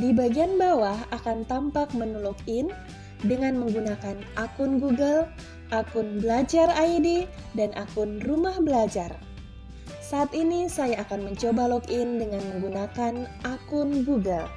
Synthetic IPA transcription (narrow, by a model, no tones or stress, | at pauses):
dibaɡianbawaɦakant̪ampak̚mənulɔkɪn | dəŋanməŋɡunakanʔakʊnɡuɡəl | ʔakʊnbəlad͡ʒaraidi | danʔa̰kʊnrumahbəlad͡ʒar | saʔːt̪inisajaːkanməɲt͡ʃobalɔkɪndəŋanməŋɡunakanakʊnɡuɡəl